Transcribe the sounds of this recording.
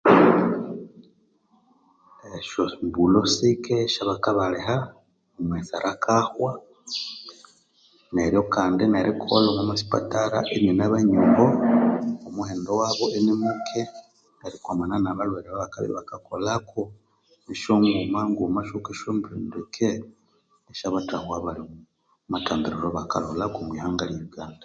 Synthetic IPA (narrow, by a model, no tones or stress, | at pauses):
eʃombulosikeʃaβakaβaleha | omwesaɾʔakʰaxwa | neɾjo̞kaːndineɾʔikolomumasi̥pa̰taɾa̰ʔenenaβaɲumbo | omuheːndowaːβoʔenemukʰe | neɾikwamananaβalweɾeβaβaka̰βḭβakakolakʰo | niʃoŋɡɡumaŋɡumaʃukeʃombiɾindekʰe | eʃaβatahwaβali | mataːmbiɾiɾoβakalolakomwiːhaːŋɡaljiɾuɡaːnda